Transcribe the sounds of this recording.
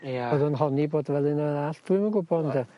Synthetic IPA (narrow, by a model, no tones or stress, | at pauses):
oðənɦɔniboːdvɛlˠɪnaaːɬtuɨməɡʊbɔndə